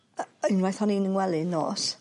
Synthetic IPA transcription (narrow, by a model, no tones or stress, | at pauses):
inwajθɔninəŋwɛlɪnːɔ̰ːs